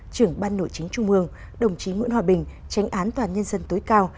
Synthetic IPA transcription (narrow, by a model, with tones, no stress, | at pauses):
t͡ɕɨ˧˩əŋɓaː˧nːo̰˧˨jt͡ɕï˨˦ŋ̟t͡ɕʊ˧ŋ͡mʔɨ˧əŋ | ɗə˨˩wŋ͡mt͡ɕi˨˦ŋwḭ˧˥ənhwaː˧ɓï˨˩ŋ̟ | t͡ɕa˨˦jŋ̟ʔaː˨˦nt̪waː˨˩nɲə˧nzə˧nt̪o˨˦jkaː˧w